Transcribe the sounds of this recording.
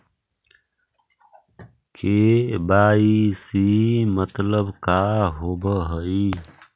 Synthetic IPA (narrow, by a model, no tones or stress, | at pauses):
kʰebaːisimət̪ləbkaːɦoːbəɦəi